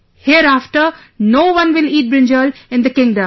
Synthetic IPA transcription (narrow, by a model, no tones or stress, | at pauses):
hiəɾaːfʈəɾ | noːʋʌ̃nʋɪliːʈ̚bɾɪ̃nd͡ʒəlɪ̃nd̪əkɪ̃ŋɖə̃m